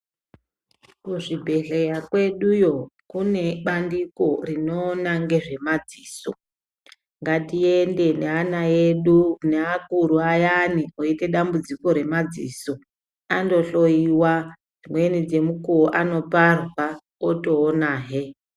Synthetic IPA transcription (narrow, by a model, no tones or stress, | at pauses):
kuʐibʱe̞ɮe̞jakwe̞ɗujo̞kune̞ɓandiko̞rino̞ːnaŋɡe̞ʐe̞mad͡ziːso̰ | ŋɡatie̞nde̞neanaeɗuneakuɾuajanioite̞ɗambud͡ziko̞ɾe̞mad͡ziːso̞ | ando̞ɬo̞jiwa | d͡zimwe̞nid͡ze̞mukuoʔano̞parwa | oto̞ːnaːɦe